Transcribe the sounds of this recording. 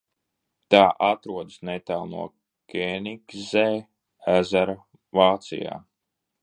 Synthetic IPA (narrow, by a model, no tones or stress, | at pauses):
t̪aːʔat̪ɾuɔd̪ɨsnet̪alˠnṵɔ | kʲenikzɛː | æzaɾa | vaːt̪sḭja̰ː